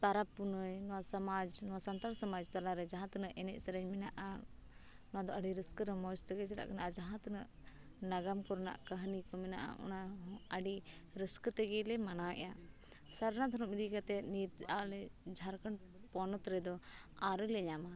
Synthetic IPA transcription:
t̪aɾapːunəjnɔwasamad͡ʒnɔwasant̪aɾsɔmad͡ʒt̪alaɾɛd͡ʒaɦãt̪ənəʔɛnɛʔsəɾɛɲmɛnaʔa | nɔwad̪ɔʔaɖiɾəskəɾɛmɔst̪ɛɡɛsɛla̰ʔknaʔad͡ʒaɦãt̪ənəʔ | naɡamkɔɾna̰ʔkəɦnikɔmɛna̰ʔa̰ʔɔ̰naɦaɖiɾəskt̪ɛɡɛlɛmanawɛ̰ʔa | saɾnad̪ʱɔɾɔmid̪ikat̪ɛnit̪alɛd͡ʒʱaɾkəɳ | pɔnɔt̪ɾɛd̪ɔaɾɔlɛɲama

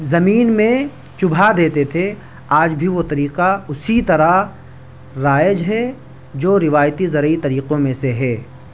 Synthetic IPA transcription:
zɐmiːnmẽ | t͡ʃʊbʱad̪eːt̪et̪ʰe | aːd͡ʒbʱiʋot̪ɐɾiːqaʊsit̪ɐɾa | ɾaːjəd͡ʒɦɛ | d͡ʒoːɾɪʋaːjt̪izɐɾəit̪ɐɾiːqõmẽseɦɛː

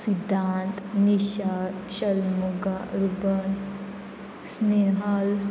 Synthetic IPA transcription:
sid̪ʱːant̪niɕaɾɕəlmuɡaɾubɐn | sneɦal

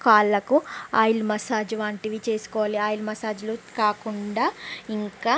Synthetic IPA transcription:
kaːlːɐkuaːjilmɐsaːd͡ʒuʋaːɳʈiʋit͡ʃe̞ːsu̥kɔːʋaːliaːjilmɐsaːd͡ʒulukaːkuɳɖaːiŋkaː

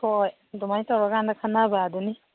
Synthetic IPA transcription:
kɔj | dɔmajtawɾaɡandakʰanabaːduni

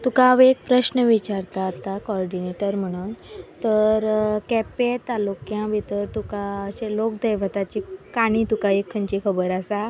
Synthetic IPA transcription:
t̪ukaʋek̚pɾəɕnəʋit͡ɕaɾt̪aːt̪akɔɾɖineʈəɾm̤əɽ̃uːnt̪əɾkɛpet̪alokjãbʱit̪əɾt̪ukaəɕelokd̪əjʋət̪at͡ɕikaɽ̃ĩt̪ukaekʰːəɲt͡ɕikʰəbəɾasa

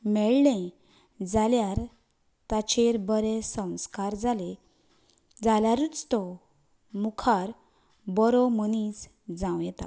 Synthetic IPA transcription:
mɛɭlɛ̃ | d͡zaljaɾ | t̪at͡ɕeɾbəɾesə̃w̃skaɾd͡zale | d͡zalaɾut͡st̪ɔ | mukʰaɾ | bɔɾɔmənit͡s | d͡zãwjɛt̪a̰

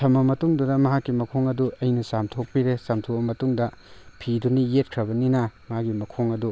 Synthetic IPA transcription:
tʰɐmːɐmɐtuŋdudɐmɐɦakːimɐkʰoŋɐduɐjnɐsamtʰok̚piɾesamtʰobɐmɐtuŋdɐ | pʰidunijet̚kʰɾɐbɐninɐmɦaɡimɐkʰoŋɐdu

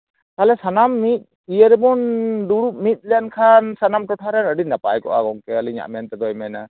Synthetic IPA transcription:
kalɛsanamːit̪̚ | ijəɾɛbunduɾup̚mit̪̚ˀlɛjankʰansanamʈɔʈʰaɾɛnəɖinapajkɔ̰ʔa̰ɡɔŋkɛaliɲa̰ʔmɛnt̪ɛd̪ɔjmɛna

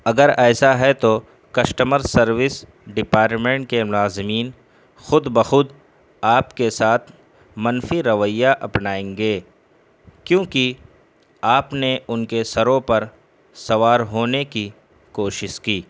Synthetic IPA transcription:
ɐɡəɾɛːsaɦɛt̪o | kɐʃʈəməɾsɐɾʋɪs | ɖɪpaːɾʈmẽɳʈ̚kemʊlaːzɪmiːn | xʊd̪bəxʊd̪ | aːpkesaːt̪ʰ | mɐnfiɾɐʋəjːaʔɐpnaːẽːŋɡeː | kjõːki | aːpneʊnkesɐɾõpɐɾ | sɐʋaːɾɦoːneki | koːʃɪʃkiː

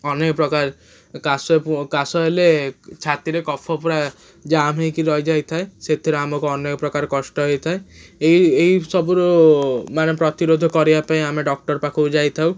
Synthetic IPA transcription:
ɔnekɔpɾɔkaɾ | kasɔpkasɔɦelet͡ʃʰat̪iɾekɔpʰɔpɔɾa | d͡ʒamẽjkiɾɔjd͡ʒajt̪ʰaeset̪ʰiɾeamɔkoɔnekɔpɾɔkaɾkɔʃʈɔɦejt̪ʰaeejejsɔbuɾɔmanepɾɔt̪iɾod̪ʱɔkɔɾiapaẽameɖɔk̚ʈɔɾpakʰɔd͡ʒajt̪ʰaw

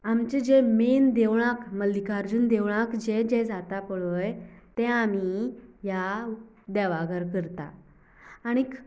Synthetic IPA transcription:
amt͡ɕed͡ʑemend̪eʋɭ̃akməlikaɾd͡ʑuːnd̪eʋɭãkd͡ʑed͡ʑɛd͡zat̪apɔɭəjt̪ɛ̃amija | d̪ɛʋaɡəɾkəɾt̪a̰ː | ɽ̃ik

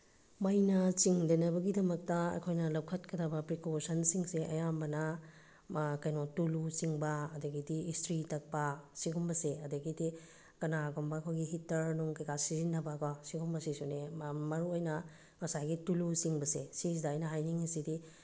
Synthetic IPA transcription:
majnɐt͡ʃiŋdɐnɐbɐɡidɐmɐk̚tɐɐ̰kʰojnɐlɐwkʰɐt̚kʰɐdɐbɐpɾikosɐnsiŋseʔɐjambɐnɐ | kɐjnɔtulusiŋbɐɐdɐɡidiːstɾitɐk̚pɐsiɡumbɐseɐdɐɡidi | kɐnaɡombɐːkʰojɡiɦitɐɾnuŋkɐjkasizinːɐbɐkɔsiɡumbɐsisunemɐɾuojnɐ | mɐsajɡitulusiŋbɐsesizidaːjnɐɦajniŋisidi

